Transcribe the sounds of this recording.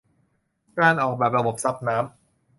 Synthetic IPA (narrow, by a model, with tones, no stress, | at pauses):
kaː˧nʔɔː˨˩k̚bɛː˨˩p̚ɾa˧bo˨˩p̚sa˦˥p̚naː˦˥m